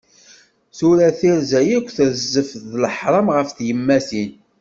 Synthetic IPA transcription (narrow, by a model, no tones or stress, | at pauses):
suɾæθiɾzæjækʷːθəɾzəfðləħɾˤɑmʁəfθjəmːæsin